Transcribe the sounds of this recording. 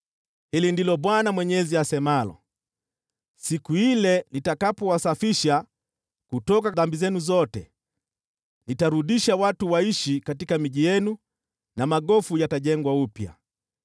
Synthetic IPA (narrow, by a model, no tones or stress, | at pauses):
hilindilɔɓwanamwɛɲɛziasɛmalɔ̰ | sikuilɛnitakapɔwasafiʃa | kutɔkaðambizɛnuzɔtɛ | nitaɾuɗiʃawatuwaiʃikatikamiʄijɛnu | namaɠɔfujataʄɛŋɡwaupja̰